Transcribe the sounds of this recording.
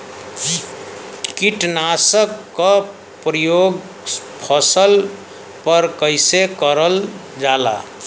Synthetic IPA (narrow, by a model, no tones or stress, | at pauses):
kiʈnasəkːə | pɾəjoɡ | pʰəsəl | pəɾkəɪsekəɾəld͡ʒala̰